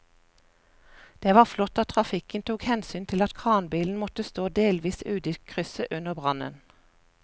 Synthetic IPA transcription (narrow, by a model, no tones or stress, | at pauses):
d̪̥eːʋɑːʁflɔt̪ɑt̪ʰʁɑfɪkənt̪ʰuːkhɛnsyːnt̪ʰɪlɑt̪kʰʁɑːnbiːln̩mɔt̪əst̪oːd̪eːlʋiːsʉːd̪iːkʰʁʏsəʔʉnəʁbʁɑnə̰n